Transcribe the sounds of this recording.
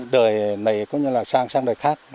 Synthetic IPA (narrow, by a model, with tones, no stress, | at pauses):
ɗəː˨˩jna˨˩jkɔ˨˦ɲɨ˧laː˨˩saː˧ŋsaː˧ŋɗəː˨˩jxaː˦˥k̚